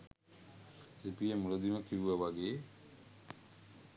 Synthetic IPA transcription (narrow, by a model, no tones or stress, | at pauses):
epijəmuɾod̪iməkiʋuʋɐʋaɡeː